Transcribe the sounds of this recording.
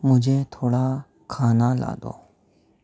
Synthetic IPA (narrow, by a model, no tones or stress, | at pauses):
mʊd͡ʒʱeːt̪ʰoːɽaː | kʰaːnala̰ːd̪o̰ː